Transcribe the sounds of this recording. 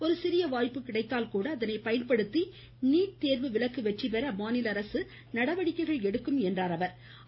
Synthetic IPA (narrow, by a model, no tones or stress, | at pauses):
ɔɾɯsɪɾɪjɐʋaːjpːɯkːɪɽɐɪt̪ːaːlkuːɽɐːðɐnɐɪpɐjɐnpɐɽɯt̪ːi | niːʈ̚t̪eːɾʋɯʋɪɭɐkːɯʋɛʈripɛɾɐmaːnɪlɐɾɐsɯ | nɐɽɐʋɐɽɪkːɐɪɣɐɭɛɽɯkːɯmɛndraːɾɐʋɐɾ